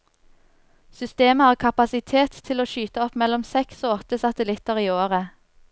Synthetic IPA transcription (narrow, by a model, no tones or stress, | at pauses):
sʏst̪eːməhɑːʁkʰɑpɑsɪt̪ʰeːt̪ʰːɪloːʃyːt̪əɔpmɛlɔmsɛksoːɔt̪əsɑt̪əlɪt̪əʁiːoːʁə